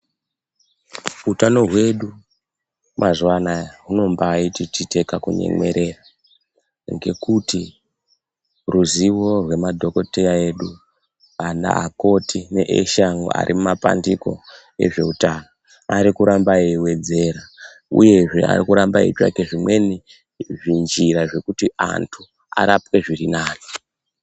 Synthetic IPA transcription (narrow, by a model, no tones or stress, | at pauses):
utano̞ɦwe̞ɗu | mazwanaɦuno̞mbaːititite̞kakuɲe̞̰ŋwe̞̰ɾʔe̞ra | ŋɡe̞kuti | ruziwo̞rwe̞madʱo̞ko̞tejae̞ɗu | ana̰ako̞tʰine̞̰ʔḛʃaŋɡo̰a̰ɾʔimumapa̰ndiko̞̰ | e̞̰ʐe̞utano | aɾikuɾambaewe̞d͡ze̞ɾa | ṵje̞ʐe̞̰a̰rikuɾambaḭt͡ʃa̰ke̞ʐimwe̞ni | ʐind͡ʒiɾaʐe̞kutia̰ntʰu | a̰ɾapwe̞ʐirinaːno